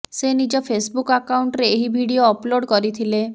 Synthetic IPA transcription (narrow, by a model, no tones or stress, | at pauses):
senid͡ʒɔpʰesbukakauɳʈɾeːɦibʱiɽioɔploɽkɔɾit̪ʰile